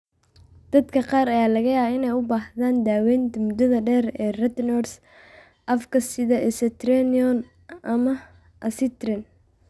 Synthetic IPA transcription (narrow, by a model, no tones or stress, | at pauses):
d̪̥ɐd̪kʰɐqɑːɾɐjaːlɐɣɐjaɪnɛjʊbaːhðaːnd̪aːwɛːnt̪ʊmʊd̪ɐðɐɖɛːrɛːrɛt̪nɔrs | ʔɐfkʰɐsɪðɐɛsɛt̪ɾɛniɔn | ʔɐmɐ | ʔɐsɪt̪rɛn